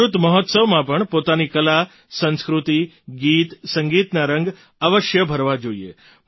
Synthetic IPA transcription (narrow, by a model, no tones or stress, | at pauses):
ɾut̪məɦɔt̪səʋmãpəɳpot̪anikəla | sə̃nskɾut̪i | ɡit̪səŋɡit̪naɾə̃ŋɡ | aʋəʃjəbʱəɾʋad͡ʒoiḛ